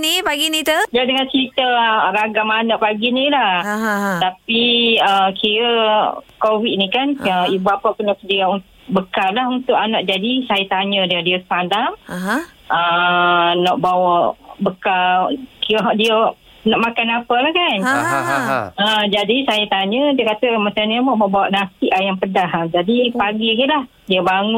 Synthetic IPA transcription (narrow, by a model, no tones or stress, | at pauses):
nipaɡinit̪udadəŋant͡ʃɾit̪əɾaɡamanaʔpaɡinilaht̪apiəkiɾəkowit̪̚nikanəibapaʔkunɔʔsəndiɾaunt̪ | ʔbəkallahunt̪ʊʔanaʔ̚d͡ʒadisajat̪aɲədiədiəsə̥pandamɦ | ə | nɔʔbawaʔbəkalkiɾəɦaʔdiəʔ | nɔʔmakanapəlahkan | əd͡ʒadisajat̪aɲə̃diəkat̪əmat͡ʃamdiəmɔʔmɔʔbawaʔnasiʔajaŋpədaɦad͡ʒadipaɡikilah | diəbaŋʊ